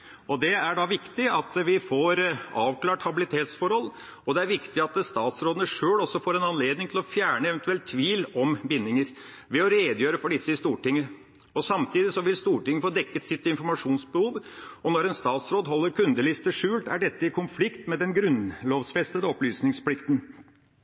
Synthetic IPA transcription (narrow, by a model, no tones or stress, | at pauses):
ɔd̪ɛæɖɑʋɪkt̪ɪɑt̪ʋɪfoːɾɑːʋkʰlɑːʈhɑbɪlɪt̪ʰeːt̪sfɔɾhɔlː | ɔd̪ɛæɾʋɪkt̪ɪɑt̪st̪ɑːt̪sɾoːd̪ənəʂøːɭɔsːɔfoːɾɛnɑnleːd̪nɪŋt̪ʰɪlɔfjæːɳəɛʋɛnt̪ʉɛlt̪ʰːʋiːlɔmbɪnːɪŋəɾ | ʋɛɔɾeːd̪jøːɾəfɔɖɪsːəɪst̪uːʈɪŋːə | ɔsɑmt̪ʰiːd̪ɪsɔʋɪlst̪uːʈɪŋːəəfoːd̪ɛkːət̪sɪt̪ɪnfɔɾmɑʂuːnsbəhuːʋɔnɔɾɛnst̪ɑːt̪sɾoːd̪ɦɔlːəɾkʰʉnd̪əlɪst̪əʂʉːlt̪æ̰ɖɛt̪ːəɪkʰʊnflɪkt̪mɛd̪ɛnɡɾʉnloːʋsfɛst̪əd̪əɔplyːsnɪŋspʰlɪkt̪n